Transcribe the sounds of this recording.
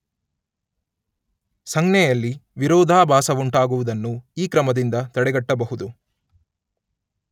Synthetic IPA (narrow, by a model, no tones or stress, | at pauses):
sɐŋɡnɛjɐlːiʋiɾɔːd̪ʱaːbʱaːsɐʋuɳʈaːɡuʋud̪ɐnːuiːkɾɐmɐd̪ind̪ɐt̪ɐɽɛɡɐʈːɐbɐɦud̪u